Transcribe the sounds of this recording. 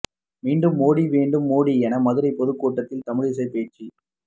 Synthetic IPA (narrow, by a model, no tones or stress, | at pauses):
miːɳɖɯmːoːɽiʋeːɳɖɯmːoːɽiɛnɐmɐðɯɾɐɪpɔðɯkːoːʈːɐt̪ːɪlt̪ɐmɪɻɪs̬ɐɪpeːt͡ʃːi